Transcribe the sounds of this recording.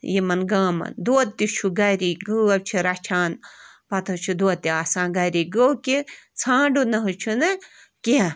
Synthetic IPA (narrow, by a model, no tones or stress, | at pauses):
jimɐnɡãːmɐ̰nd̪oːt̪ːit͡ʃʰuɡɐɾiɡɐɐbʲt͡ʃʰiɾɐt͡ʃʰaːnpɐt̪ʰɐt͡ʃʰud̪oːt̪ːiaːsãːɡɐɾiɡɐwkit͡sʰãːɖunɐɦut͡ʃʰunɐ | kiɐ̃